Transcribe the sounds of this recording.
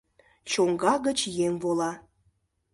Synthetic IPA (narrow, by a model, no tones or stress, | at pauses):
t͡ɕoŋɡɑɣət͡ɕjemvolɑ